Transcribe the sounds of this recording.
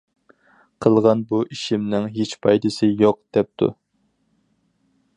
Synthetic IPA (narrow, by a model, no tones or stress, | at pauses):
qʰəlˠʁɑnbuʔiʃimnɪŋɦet͡ʃpʰɑjd̪ɨsɨjoq̚d̪̥ɛp̚t̪ʰṵ